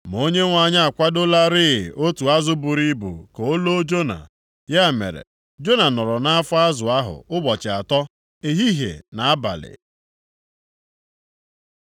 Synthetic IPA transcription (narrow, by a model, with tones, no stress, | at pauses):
m˨o˦ɲe˦ŋʷa˨ɲa˦a˨kʷa˦dʊ˦la˦ɾɪ̰˦˨ʔo˦tu˨a˦zʊ˦bʊ˨ɾi˦bṵ˨ko˨o˦lo˦d͡ʒo˦na̰˨ | ja˦˨mḛ˨ɾḛ˨ | d͡ʒo˦na˨nɔ˨ɾɔ˨na˦a˦fʊ˦a˦zʊ˨a˦ɦʊ̰˨ʊ˦ɡ͡bɔ˨t͡ʃɪ˨a˨tɔ˦ | e˨ɦi˦ɦḛ˨na˨a˦ba̰˨lɪ̰˨